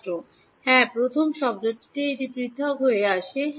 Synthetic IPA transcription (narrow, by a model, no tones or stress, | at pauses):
ɾo | hɛ̃pɾot̪ʰomʃɔb̚d͡ʑoʈːi̥ʈ̪eiʈipɾit̪ʰːokɦoeaʃe